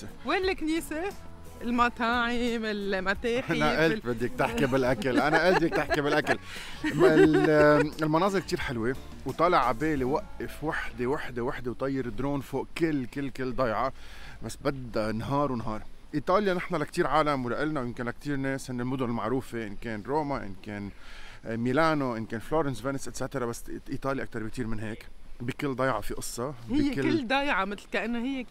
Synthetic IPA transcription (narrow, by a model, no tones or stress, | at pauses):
wenlɪkniːse | ɪlmat̪aːʕɪmɪlmat̪eːħʔanaʔɪlt̪bɪd̪ːik̚t̪ɪħkibɪlʔakalʔanaʔɪlt̪ikt̪ɪħkibɪlʔakal | ɪlmɑnɑːzˤɨɾk̚t̪iːɾħɪlwe | wt̪ˤɑːlɪʕabeːlewaʔːafwaħd̪ewaħd̪ewaħd̪ewt̪ˤɑjːɪɾɪd̪ɾoːnfoːʔkɪlːkɪlːkɪlːd̪ˤɑjʕɑbasːbad̪anɦɑːɾˤwɪnɦɑːɾˤʔiːt̪ˤɑːljanɪħnalakt̪iːɾʕaːlamwlaʔɪlnawjɪmkɪnlak̚t̪iːɾneːshɪnːɪlmʊd̪ʊnɪlmaʕɾuːfeʔɪnkeːnɾoːmaʔɪ̰nkeːn | milaːnoʔɪnkeːnfloːɾɛnsveːnɪsʔɪt̪saːt̪ɑɾˤabasːʔiːt̪ˤɑːliʔak̚t̪ɑɾbɪkt̪iːɾmɪnɦeːkbikɪlːd̪ˤɑjʕɑfiʔɨsˤːɑhɪjːkɪlɪlːd̪ɑjʕɑmɪt̪lkaʔɪnːahɪjːe